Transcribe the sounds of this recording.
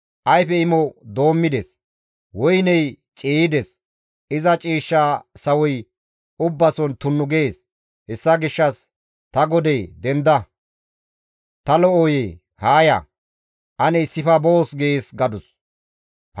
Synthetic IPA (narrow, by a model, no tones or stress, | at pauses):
ʔɐjfɛɪmɔd̪o̞ːmːɪd̪ɛs | wɔjnɛjt͡ʃʼiːɪd̪ɛs | ɪzɐt͡ʃʼiːʃːaːsɐwɔj | ʊbːɐsɔnt̪ʊnːʊɡɛeːs | hɛsːɐɡɪʃːɐs | t̪ɐɡɔd̪ɛjd̪ɛnd̪ɐ | t̪ɐlɔoje | haːjɐ̰ | ʔɐnɛɪsːɪfɐboːsɡɛeːsɡɐd̪ʊs